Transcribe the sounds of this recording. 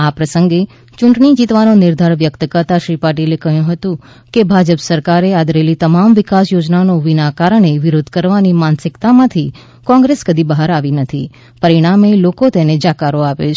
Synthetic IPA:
apɾəsəŋɡe | t͡ʃʊ̃ɳʈɳid͡ʒit̪ʋanonɪɾd̪ʱaɾʋjəkt̪kəɾt̪aʃɾipaʈilekəɦjũɦət̪ũ | kebʱad͡ʒəpsəɾkaɾead̪ɾelit̪əmamʋɪkasjod͡ʒnanoʋinakaɾəɳeʋɪɾod̪ʱkəɾʋanimansɪkt̪amãt̪ʰi | kɔ̃ŋɡɾeskəd̪ʱibəɦaɾaʋinət̪ʰi | pəɾiɽ̃amelokot̪ened͡ʒakaɾoaʋet͡ʃʰ

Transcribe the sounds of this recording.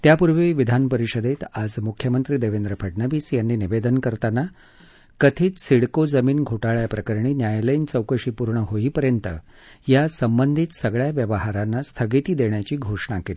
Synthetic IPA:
t̪japuɾʋiːʋid̪ʱanpəɾiɕəd̪et̪ad͡zmukʰːjəmənt̪ɾiːd̪eʋend̪ɾəpʰəʈ̚nəʋiːsjanːiːniʋed̪ənkəɾt̪ana | kət̪ʰiːt͡s̪siɽkod͡zəmiːnɡʱoʈaɭjapɾəkəɾɳiːnjajlənt͡səwkəɕiːpuɾɳəɦoipəɾjənt̪ə̰ | jasəmbənd̪ʱiːt̪səɡɭjaʋjəʋəɦaɾanːast̪ʰəɡit̪iːd̪eɳjat͡ɕiːɡʱoʂɳakeliː

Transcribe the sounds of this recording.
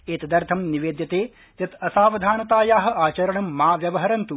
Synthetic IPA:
eːt̪ɐd̪ɐɾt̪ʰɐmniʋeːd̪jɐt̪eː | jɐt̪ɐsaːʋɐd̪ʱaːnɐt̪aːjaːɦɐ̆aːt͡ʃɐɾɐɳɐmːaːʋjɐʋɐɦɐɾɐnt̪u

